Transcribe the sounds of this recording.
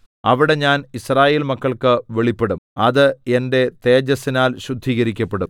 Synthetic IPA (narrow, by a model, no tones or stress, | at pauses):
ɐʋiɽe̞ɲaːnisraːjeːlmɐkːɐɭkɨʋe̞ɭipːe̞ɽumɐðɨe̞nde̞t̪e̞ːd͡ʑɐsːinaːlɕud̪ʱːiːɣɐɾikʲːɐpːe̞ɽum